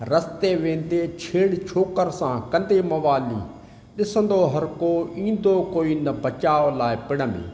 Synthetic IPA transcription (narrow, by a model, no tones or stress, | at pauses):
ɾəst̪eːʋẽːnd̪eːt͡ʃʰeːɽt͡ʃʰoːkəɾsãːkə̃nd̪eːmɐʋaːlḭː | ɗɪsənd̪oːɦəɾkoːĩːnd̪oːkoːiːnəbət͡ʃaːolaːepɪɽəmḛː